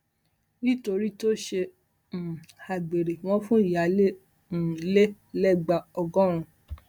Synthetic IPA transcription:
nĩ˦to˧ɾi˦to˦ʃe˧˨ | a˨ɡ͡be˨ɾe˨w̃ɔ̃˦fũ˦i˨ja˨˦lẽ˦˨ | le˦ | lɛ˦ɡ͡ba˧ɔ˨ɡɔ̃˦ɾ̃ũ˧

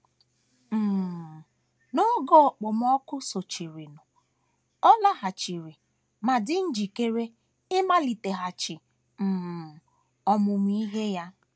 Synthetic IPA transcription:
m̩˨ | nʊ˦ɡɔ˦˨k͡pɔ˨m˦ɔ˦kʊ˦so˨t͡ʃi˨ɾi˨nʊ˨ | ɔ˦la˦ɦa˨t͡ʃi˨ɾi˨ | ma˨dɪ˦n̩˦d͡ʒi˨ke˦ɾe˦ | ɪ˦ma˦li˨te˨ɦa˨t͡ʃɪ˨ | m̩˨ | ɔ˦mʊ˨m˦i˦ɦe˦ja˦

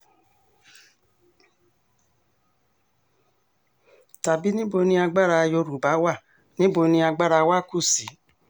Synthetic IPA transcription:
ta˨bi˦nĩ˦bo˧nĩ˧a˧ɡ͡ba˦ɾa˧jo˧ɾu˨ba˨˦wa˦˨ | nĩ˦bo˧nĩ˧a˧ɡ͡ba˦ɾa˧˨wa˦ku˦˨si˨˦

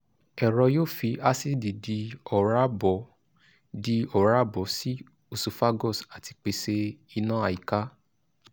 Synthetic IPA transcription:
ɛ˨ɾɔ˧joː˦˨fi˧a˧si˦di˨di˧ɔ˨ɾa˦bɔ˨˦ | di˧ɔ˦˨ɾa˦bɔ˨˦si˦ | o˧˨su˨fa˦ɡɔ˦˨sa˨ti˧k͡pe˨se˧i˧nã˦a˧˨ji˨ka˦

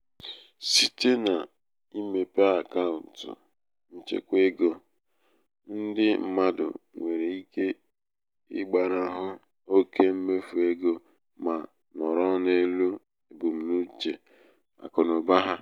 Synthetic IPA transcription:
si˨te˦na˨ | i˦me˨pa˦a˨ka˦ʊ˨n̩˨tʊ̰˨ | n̩˦t͡ʃḛ˦kʷe˦ɡo˦ | n̩˦dɪ˦m̩˦ma˦dʊ̰˨ŋʷe˨ɾe˨i˦ke˦ | ɪ̰˦ɡ͡ba˨ɾa˨ɦʊ˦ | o˦ke˦m̩˦me˦fu˨e˦ɡo˦ | ma˨ | nɔ˨ɾɔ˦ne˦lu˦ | e˨bu˨m̩˨nu˦t͡ʃe˨ | a̰˨kʊ˨nʊ˨ba˦ɦa˦

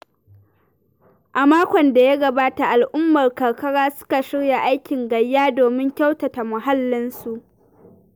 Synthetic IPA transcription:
ʔa˨maː˦kʷɔ˨nda˨ja˦ɡɐ˨baː˦ta˨ʔa˨lʔʊ˦mːɐ˨rkɐ˨rkɐ˦ɽaː˦sʊ̥˦ka˨ʃɪ˦ɽja˨ʔa˦jkʲɪ˨ŋɡɐ˨jːaː˦doː˨mɪ˦ŋkʲa˦wta˨ta˨mʊ˨ɦa˦lːɪ˦nsu˨ʔ

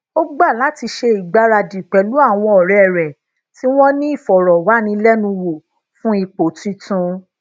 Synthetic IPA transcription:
o˦ɡ͡ba˦˨la˨˦ti˧ʃe˧i˨ɡ͡ba˨˦ɾa˧di˨k͡pɛ˨lu˨˦a˦˨w̃ɔ̃˧ɔ˨ɾɛ˨ɾɛ˨ | ti˦w̃ɔ̃˦nĩ˦i˦˨fɔ˨ɾɔ˨wa˨˦nĩ˧lɛ˦nũ˧wo˨ | fũ˦i˦˧k͡po˨tĩ˨˦tũ˧˦

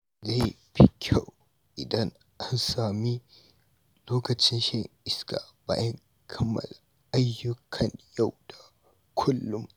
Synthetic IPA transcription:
za˦˨j | bɪ˦kʲʰa˦˨w | ʔɪ˨dɐ˦ŋ | ʔa˦nsaː˨mi˦ | loː˦kɐ˨t͡ʃɪ˦nʃɪ˦˨ŋʔɪ˦ska̰˨ba̰ː˦jɐ˦ŋ | kʰɐ˦mːɐ̰˨la˨ | ʔa˦jːʊ˦kʰɐ˨ɲja˦˨wd̥a˨ | kʷʰʊ˦lːʊ˦m

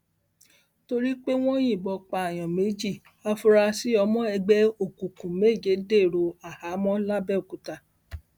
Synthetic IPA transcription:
to˧ɾi˦k͡pe˦w̃ɔ̃˦j̃ĩ˦˨bɔ˧k͡pa˧a˨j̃ɔ̃˨me˨˦d͡ʒi˦˨ | a˧fu˧ɾa˧si˦ɔ˧mɔ̃˦ɛ˧ɡ͡bɛ˦o˨kũ˨kũ˨me˦˨d͡ʒe˨˦de˦˨ɾo˧a˨ha˨˦mɔ̃˦la˦bɛ˦o˨ku˨˦ta˧˨

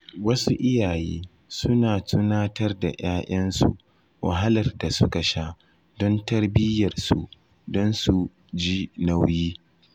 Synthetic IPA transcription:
wɐ˦su˦ʔɪ˦jaː˨jiː˦ | sʊ˦naː˨tʰʊ˦naː˦tɐ˦rda̰˨jaː˦ʔɐ˦nsṵ˨ʔ | wa̰˨ɦa˦lɐ˨rda˨sʊ˦ka˨ʃa˦ | dɔ˦ntɐ˦rbɪ˦jɐ˨rsṵ˨ | dɔ˦nsu˨ | d͡ʒiː˦na˦wjiː˦

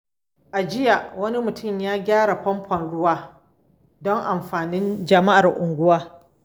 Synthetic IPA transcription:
ʔa˨d͡ʒɪ˦ja˨wɐ˦ni˦mʊ˨tʊ˦˨mjaː˦ɡʲaː˦ɽa˨ɸɔ˦mpʰɔ˨nɽʊ˦waː˦ | dɔ˦ŋʔa˨mɸaː˨nɪ˦nd͡ʒɐ˨ma˦ʔa˨rʔʊ˨ŋɡʷʊ˦waː˦

